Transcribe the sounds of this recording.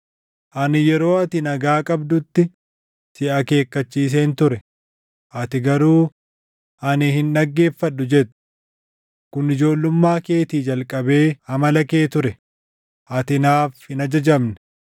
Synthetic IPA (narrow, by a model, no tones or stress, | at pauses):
ʔɐnɪjɛɾo̞ːɐt̪ɪnɐɡaːkʼɐbd̪ʊt̪ːɪ | sɪʔɐke̞ːkːɐt͡ʃːiːs̬eːnt̪ʊɾɛ | ʔɐt̪ɪɡɐɾuː | ʔɐnɪhɪnᶑɐɡːe̞ːfːɐɗːʊd͡ʒɛt̪ːʊ̥ | kʊnɪd͡ʒo̞ːlːʊmːaːke̞ːt̪iːd͡ʒɐlkʼɐbe̞ːhɐmɐlɐke̞ːt̪ʊɾɛ | ʔɐt̪ɪnaːfhɪnɐd͡ʒɐd͡ʒɐbnɛ̥